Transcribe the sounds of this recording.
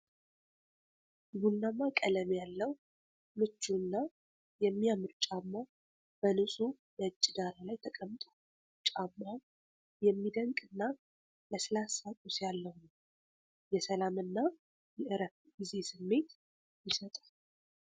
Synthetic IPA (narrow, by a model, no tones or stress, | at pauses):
wunːamakʼələmjalːəw | mɨt͡ʃːunːa | jɛmːijamɨɾt͡ʃʼamːa | b̥ənɨsʼu | bəɨt͡ʃʼːɪd̪aɾalajt̪ʰəkʼəmt̪ʼu̥ | t͡ʃʼamːa | jɛmːid̪əŋkʼɨnːa | ləsɨlasakʼusjalːəhnəw | jɛsəlamɨnːa | jɛʔɨɾət | ɡize̞sɨmːe̞t̪ | jɪsət̪ʼḁ